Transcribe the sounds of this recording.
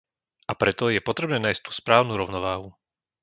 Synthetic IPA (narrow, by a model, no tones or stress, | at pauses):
ʔapɾɛt̪ɔjɛpɔt̪ɾɛbnɛːnaːjsc̚t̪u̥ːspɾaːʊnuːɾɔʊnɔʋaːɦu